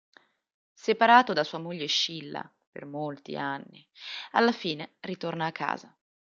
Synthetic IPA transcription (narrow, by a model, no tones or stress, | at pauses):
sepaɾaːt̪od̪asuːamoʎːeʃilːa̰ | pḛrmolt̪ḭanːi | a̰lːafiːnerit̪ornaːkʰːa̰ːza